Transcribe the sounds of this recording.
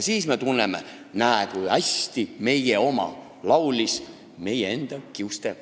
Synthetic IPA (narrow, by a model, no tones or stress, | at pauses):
siːsme̞t̪unːemḛ | næekujɑsʲt̪ime̞jeo̞mɑ̰ | lɑwlis | me̞jee̞nd̪̥ɑkiwst̪e